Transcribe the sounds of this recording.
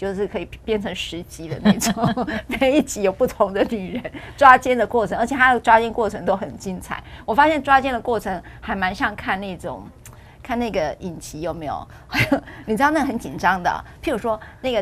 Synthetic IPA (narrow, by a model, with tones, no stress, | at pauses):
t͡ɕjo˥˧ʊʂɻ̩˥˩kʰɤ˧˥i˨˩pjɛ˥˩nʈ͡ʂʰɤ˧˥ŋʂɻ̩˧˥t͡ɕi˧˥d̪ə̰˧na˥˩ɪʈ͡ʂŋme˥o˧i˥˩t͡ɕʰi˧˥jo˨˩ʊpu˥˩t̪ʰʊ˧˥ŋd̪ə˧ny˨˩ɻə˧˦˥nʈ͡ʂwa˥t͡ɕjɛ˥nd̪ə˨kwɔ˥˩ʈ͡ʂʰə˧˥ŋə˞˧˥t͡ɕjɛ˨˩t̪ʰa˥d̪ə˨˩ʈ͡ʂwa˥t͡ɕjɛ˥˧nkwɔ˥˩ʈ͡ʂʰɤ˧˥ŋt̪o˥ʊxə˨˩nt͡ɕi˥nt͡sʰa̰˨˩˦ɪwɔ˨˩fa˥ɕjɛ˥˩nʈ͡ʂwa˥t͡ɕjɛ˥˩nd̪ə˨˩kwɔ˥˩ʈ͡ʂʰɤ˧˥ŋ | xa˧˥ɪma˧˥nɕjɑ˥˧ŋkʰa˥˧nna˥˩ɪʈ͡ʂʊ̰˨˩˦ŋ | kʰa˥˧na˥˩ɡə˩i˨˩nt͡ɕʰi˧˥jo˨˩ʊme˧˥ɪjo̰˨˩ʊxa˥jo˧˩ʊni˨˩ʈ͡ʂɻ̩˥˧n˥˩ə˩xə˧˥nt͡ɕi˨˩nʈ͡ʂɑ˥ŋd̪ə̰˨pʰi˧˥ɻu˧˥ʂwɔ˥na˥˩ɡə˩